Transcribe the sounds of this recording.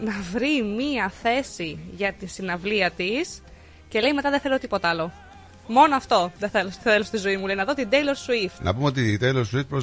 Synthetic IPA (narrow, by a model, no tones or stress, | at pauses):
nɐvɾimiɐθe̞siʝɐt̪isinɐvliɐt̪is | ce̞le̞jme̞t̪ɐðeθelo̞t̪ipo̞t̪ɐɐlo̞ | mo̞noɐft̪o̞ðeθeloθelost̪izo̞imule̞jinɐðo̞t̪id̪ejloɾsuifnʔɐ̰pumeo̞t̪id̪ejlosuifpɾo